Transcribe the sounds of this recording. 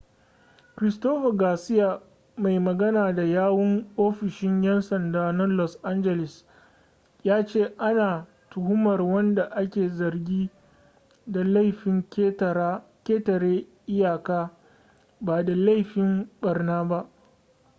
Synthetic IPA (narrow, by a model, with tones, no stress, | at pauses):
kɾɪ˨stoː˦ɸa˨ɡaː˨sɪ˦ja˨ | ma˨jmɐ˨ɡɐ˦naː˨da˨jaː˦wɔ˦ŋʔoː˦ɸɪ˨ʃɪ˦ɲjɛ˦nsɐ˨ndaː˦nɐ˦lɔ˨sʔa˦nd͡ʒɛ˨lɪ˨s | jaː˦t͡ʃeː˦˨ʔa˦naː˨ | tʊ˨hʊ˦mɐ˨rwɐ˦nda˨ʔa˦kʲeː˨zɐ˨rɡʲiː˦ | da˨la˦jɸɪ˨ŋkːkʲeː˦tɐ˨ɽeː˦ʔɪ˦jaː˨kaː˦ | baː˨da˨la˦˨jɸɪ˦mbɐ˨rnaː˦ba˦ʔ